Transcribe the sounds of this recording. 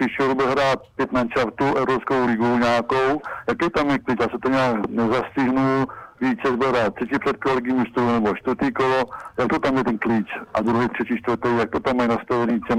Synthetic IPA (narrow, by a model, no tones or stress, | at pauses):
piʃoɾbɪlɦɾaːt̪̚pjɛt̪mant͡ʃaft̪uʔɛvɾopskowlɪɡowɲaːkowjakɛjt̪amjɛklit͡ʃjaːsɛt̪oɲɛaːknɛzascɪɦnuviːt͡sɛzbɪlɦɾaːt̪ːr̥ɛciprɛt̪̚kolɛɡimist̪ɾunɛboʃt̪vəɾt̪iːkolojak̚t̪ot̪amjɛt̪ɛnkliːt͡ʃʔa̰d̪ɾuɦɛt̪r̝̥ɛciːʃt̪vrt̪ɛjjak̚t̪ot̪amːajnast̪avɛniːcɛm